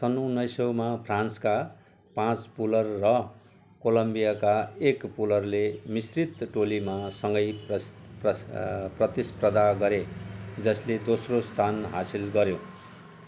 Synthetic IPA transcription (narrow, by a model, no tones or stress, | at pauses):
sʌnonʌjsʌwmapʰrãnska | pãt͡spulʌrːʌ | kolʌmbijakaekpulʌrlemisrit̪ʈolimasʌŋɡʌj | ʌprʌt̪isprʌd̪aɡʌɾed͡zʌsled̪osrost̪ʰanɦa̰silɡʌɾjo